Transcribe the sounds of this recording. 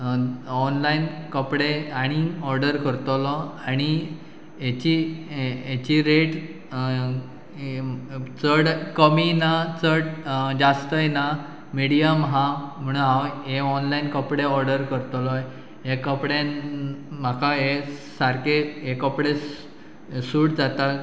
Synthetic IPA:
ɔnlainkəpɽeaɽ̃iɔɾɖəɾkəɾt̪lɔaɽ̃i | et͡ɕi | et͡ɕiɾeʈ | t͡səɽkəminat͡səɽd͡ʑast̪əjna | miɽijamɦãm̤əɽ̃ũnɦaeɔnlainkəpɽeɔɾɖəɾkəɾt̪lɔj | ekəpɽe | makʰaɦesaɾkeekəpɽe | suʈd͡zat̪a

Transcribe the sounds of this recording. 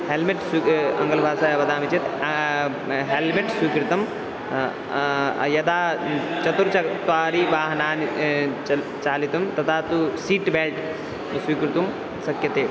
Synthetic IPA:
helmeʈsuɐ̰̃ŋɡəlbʱaːsaːjɐbɐd̪aːmit͡ʃʰit̪ | ɦelmeʈswiːkɾit̪ɐm | jɐd̪aːt͡ʃɐt̪uɾt͡ʃt̪aːɾiʋaːɦnaːni | t͡ʃaːlit̪ɐmt̪ɐt̪ʰaːt̪usiːʈbɛːʈ | siːkɾit̪um | sɐkjɐt̪eː

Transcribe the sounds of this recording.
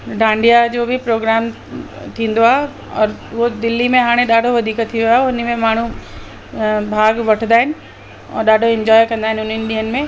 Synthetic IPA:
ɖʱãːɳɖijad͡ʑoːbʱipɾoːɡɾaːm | t̪ʰĩːnd̪oaːɦe | ɔːɾʋod̪ɪlːimẽɦaːɽ̃ẽɗaːɖʱoʋɐd̪ʱiːkət̪ʰːiʋiaːɦeʊn̆mẽmaːɳ̤u | bʱaːɡʋɐʈʰənd̪aːɦɪnɪ̆ | ɔ̰ːɾɗaːɖʱoɪ̃ɲd͡ʑɔːjkɐ̃nd̪aːɦɪ̃nɪʊnɦənɪ̆ɗ̪ĩɦənɪ̆mẽ

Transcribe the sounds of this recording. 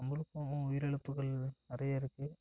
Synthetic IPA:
ɐmbɯlɯkːɐʊ̃ʊjɪɾɛɭɯpːɯɣɐɭnɐɾɐjɐɪɾɯkːɯ

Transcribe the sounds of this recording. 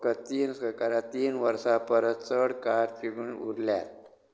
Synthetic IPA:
kət̪iːnsəkaɾat̪iːnʋəɾsapəɾət̪t͡səɽkaɾt͡ɕiɽunṵɾlja̰t̪̚

